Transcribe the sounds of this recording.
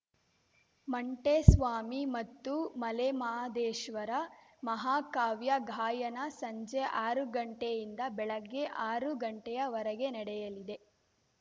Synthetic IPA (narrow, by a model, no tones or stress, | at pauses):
mɐɳʈesʋaːmimɐt̪ːumɐlemaːd̪eːʃʋɐɾɐ | mɐɦaːkaːʋjɐɡʱaːjɐnɐsɐɲd͡ʒeʔaːɾuɡɐɳʈejind̪ɐbɛɭɐɡːe̞ʔaːɾuɡɐɳʈɛjɐʋɐɾɐɡenɐɽɛjɐlid̪e̞